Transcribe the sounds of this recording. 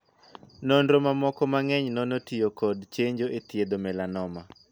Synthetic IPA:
nɔndɾomamɔkɔmaŋɛɲnɔnotijokɔd̪t͡ʃeɲd͡ʒoʔet̪jed̪omɛlanɔma

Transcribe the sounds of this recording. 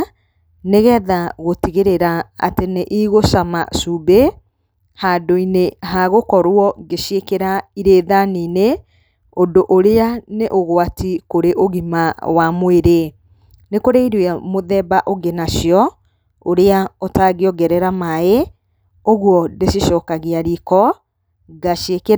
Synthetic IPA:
neɣɛðaɣotiɣeɾeɾaa̰teneʔiɣoʃama̰sube | hadoineɦaɣokɔɾwɔɡeʃiekeɾaiɾeːðaniːne | ondoʔoɾeaneʔoɣowatikoɾeʔoɣimawamoeɾe | nekoɾeiɾwɛmoðɛbaʔoɡenaʃjɔ | oɾeaotaɣeɔɡɛɾɛɾamae | oɣwɔdesiʃɔːkaɣeaɾikɔ | ɡaʃeke

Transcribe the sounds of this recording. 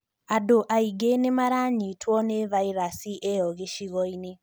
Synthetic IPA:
adoʔaiɡenemaɾaɲitwɔnevaiɾasiʔejɔɣeʃiɣɔine

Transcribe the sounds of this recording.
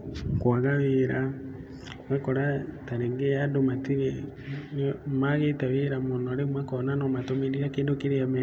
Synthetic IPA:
kwaɣaweɾa | ɣakɔɾataɾeːŋɡeadomatiɾenmaɣetaweɾamonɔaɾemwakɔnanɔmatomeɾiɾakeːndokeɾeamɛ

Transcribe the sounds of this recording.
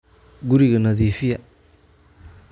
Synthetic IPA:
ɡʊɾɪɣɐnɐðiːfɪjɐ

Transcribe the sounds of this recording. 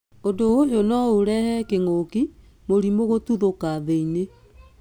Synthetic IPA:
odoojonɔuɾɛhɛkeŋoki | moɾimoɣotuðokaðeine

